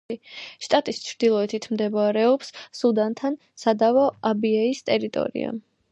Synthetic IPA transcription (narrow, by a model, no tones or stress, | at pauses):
iʃt̪ʼat̪ʼist͡ʃʰɾd̪ilˠɔɛt̪ʰit̪ʰmd̪ɛbaɾɛɔpssud̪ant̪ʰan | sad̪avɔabiɛist̪ʼɛɾit̪ʼɔ̰ɾḭa̰m